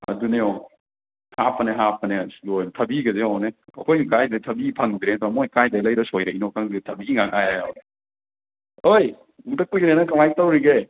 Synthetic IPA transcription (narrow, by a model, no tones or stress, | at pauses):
ɐ̰duneo | hapʰɐneɦapʰɐnelojntʰɐbiɡɐzeaneɐkʰojkajdetʰɐbipʰɐŋbiɾeɐd̪ɔwamojkajdɐlɐjɾɐsojɾɐinokaŋditʰɐbiːŋaŋajaa̰wne | oj | utɐkujɡɾenɐkɐŋajtawɾiɡe